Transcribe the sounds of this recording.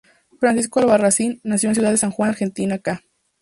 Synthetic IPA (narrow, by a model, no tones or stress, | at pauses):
fɾansiskoalβarasinnːasjonsjuðaðesaŋxwanaɾxe̞nt̪inaka